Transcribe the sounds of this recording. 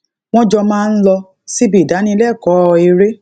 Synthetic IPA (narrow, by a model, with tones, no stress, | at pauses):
w̃ɔ̃˦d͡ʒɔ˧mãː˦˧n̩˦lɔ˧ | si˦bi˨da˨˦nĩ˧˦lɛ˦˨kɔ˨˦ɔ˧e˧ɾe˦